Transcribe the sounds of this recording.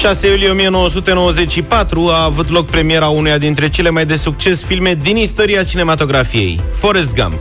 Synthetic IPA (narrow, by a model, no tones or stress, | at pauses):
ʃase̞julijeo̞mije̞no̞wəsut̪e̞no̞wəze̞t͡ʃʲʃipat̪ɾuaːvut̪̬lo̞k̚pɾe̞mije̞ɾaunujad̪int̪ɾe̞t͡ʃe̞le̞majd̪e̞suk̚t͡ʃe̞sfilme̞d̪inist̪o̞ɾiat͡ʃine̞mat̪o̞ɡɾafije̞̰jfo̞ɾes̬t̪̚ɡa̰m